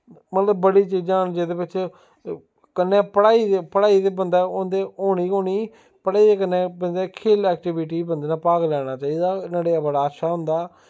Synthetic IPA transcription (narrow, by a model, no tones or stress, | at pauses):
mət̪ləbːəɽiːt͡ʃiːd͡ʒãːnd͡ʒeːd̪eːpɪt͡ʃ | kənːeːpəɽaːiːd̪epəɽaːiːd̪eːbənd̪aːond̪eːoːɽ̃iːoːɽiː | pəɽaːiːd̪eːkənːẽːbənd̪eːkʰeːlɛːk̚ʈɪʋɪʈ̬iːbənd̪eːnãːpaːɡlɛːɽ̃aːt͡ʃaːiːd̪aːnaːɽeːəbəɽaːʃaːɦʊnd̪aː